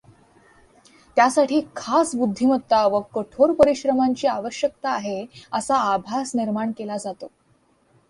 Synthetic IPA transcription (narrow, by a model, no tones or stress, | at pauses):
t̪jasaʈʰiːkʰasbud̪ʱːimət̪ːaʋəkəʈʰoɾpəɾiɕɾəmaɲt͡ɕiːaʋəɕjək̚t̪aːɦeəsaːbʱasniɾmaɳkelad͡zat̪o